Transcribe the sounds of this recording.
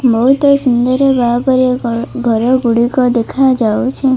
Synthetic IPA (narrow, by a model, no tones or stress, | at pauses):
bɔɦut̪ɔsund̪ɔɾebapɔɾjɔɡʱɔɾɔɡuɽikɔd̪ekʰad͡ʒawt͡ʃʰe